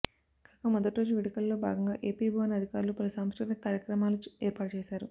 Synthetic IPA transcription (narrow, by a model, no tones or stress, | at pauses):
ɡ̥aːkɐmɔd̪ɐʈiɾo̞ːd͡ʒuʋeɽikɐlːo̞ːbʱa̰ːɡɐŋɡa̰ːʔe̞ːpiːbʱɐːʋɐnɐd̪ʱikaːɾulupɐlusaːmskɾut̪ʰɐkaːɾjɐkɾɐmaːluɛːɾpaːʈɐt͡ʃɛːʃaːɾu